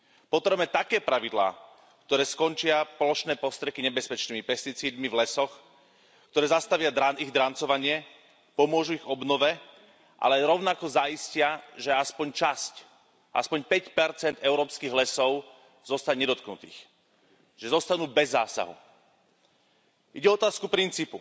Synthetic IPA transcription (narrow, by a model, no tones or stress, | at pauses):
pɔt̪ɾɛbmɛt̪akɛːpɾaʋid̪la̰ː | kt̪ɔɾɛːskɔnt͡ʃɪapɔlɔʃnɛːpɔst̪ɾɛkiɲɛbɛspɛt͡ʃniːmipɛst̪it͡siːd̪mivlɛsɔx | kt̪ɔɾɛːzast̪aʋɪad̪ɾaniɣd̪ɾant͡sɔʋaɲɪɛ | pɔmʊɔʒuiɣɔbnɔʋɛ | ʔa̰lɛɾɔʊnakɔzaiscɪaʒɛaspɔɲt͡ʃasc | ʔa̰spɔɲpɛcpɛɾt͡sɛnd̪ɛʊɾɔːpskiːɣlɛsɔʊ | z̥ɔst̪aɲɲɛd̪ɔt̪knut̪ḭːx | ʒ̥ɛzɔst̪anuːbɛzːaːsa̰ɦṵ | ʔiɟɛɔɔt̪aːskupɾint͡siːpu